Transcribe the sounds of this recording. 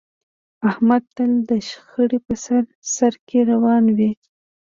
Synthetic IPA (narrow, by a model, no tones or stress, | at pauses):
ahmad̪̚t̪əld̪əʃxəɽipəsaɾ | saɾkeɾawɑnwi